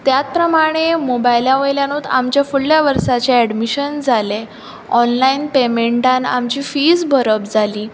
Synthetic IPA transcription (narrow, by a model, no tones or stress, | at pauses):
t̪jat̪̚pɾəmaɽ̃emobajljaʋəjljanot̪a̰mt͡ɕjafuɭljaʋəɾsat͡ɕeɛɽmiɕənd͡zʱale | ɔnlainpemeɳʈana̰mt͡ɕiːfid͡zbʱəɾəpd͡zʱaliː